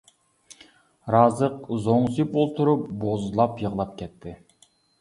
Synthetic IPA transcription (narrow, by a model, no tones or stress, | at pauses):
ɾɑːzəqzoɴsipolˠt̪ʰuɾupbozlˠɑpjəʁlˠɑp̚kʲʰɛt̪ʰːɪ